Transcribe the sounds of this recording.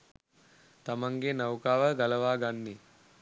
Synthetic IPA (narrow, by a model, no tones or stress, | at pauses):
t̪amaŋɡenawkaːʋəɡaləʋaːɡanːi